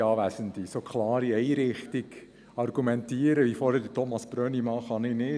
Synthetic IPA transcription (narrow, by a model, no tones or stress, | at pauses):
ɑːʋæsənd̪isokʰlɑːɾiɛɪɾɪχtiɡ | ɑrɡ̥umɛntiəɾəʋifoːɾhɛdətʰɔmɑsb̥ɾœːnimɑχɑnɪnɪ